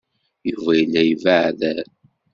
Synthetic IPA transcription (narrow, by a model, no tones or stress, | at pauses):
juvæjənæjvəʕðæ